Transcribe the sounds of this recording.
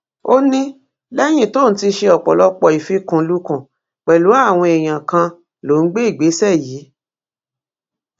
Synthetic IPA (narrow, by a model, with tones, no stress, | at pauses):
o˦nĩ˦ | lɛ˦j̃ĩ˦˨to˦n̩˨˦ti˧ʃe˧ɔ˨k͡pɔ̰˨lɔ˦k͡pɔ˧˨i˨fi˦kũ˦˧lu˦kũ˦˨ | k͡pɛ˨lu˨˦a˦˨w̃ɔ̃˧e˨j̃ã˨kã˧ | lo˨˦n̩˦ɡ͡be˦i˦˨ɡ͡be˨˦sɛ˦˨jiː˨˦